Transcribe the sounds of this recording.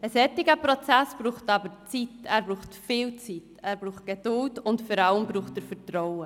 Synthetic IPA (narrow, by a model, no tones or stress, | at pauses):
əsɛtːɪɡəpɾɔt͡sæsb̥ɾuːχtɑbəɾt͡sitɛːɾbɾuːχtfɪːlt͡sitɛːɾbɾuːχt̚ɡ̥ed̥ʊltʊntfɔɾɑləmbɾuːχtəɾfəɾtɾɔʊə